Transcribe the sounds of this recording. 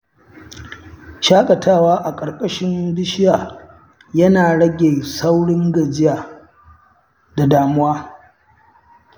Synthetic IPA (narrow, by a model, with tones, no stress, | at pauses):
ʃaː˦kʼɐ˨tʰaː˦˨waː˦ʔa˨kʼɐ˨ɾkʼɐ˦ʃɪ˦nbɪ˦ʃɪ˦jaː˨ | jɐ˦naː˨ɽɐ˦ɡʲeː˨sa˦wɽɪ˦ŋɡɐ˨d͡ʒɪ˦jaː˨ | da˨daː˨mʊ˦waː˦